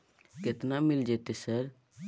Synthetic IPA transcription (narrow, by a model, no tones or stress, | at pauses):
ket̪namɪld͡ʒeːt̪esəɾ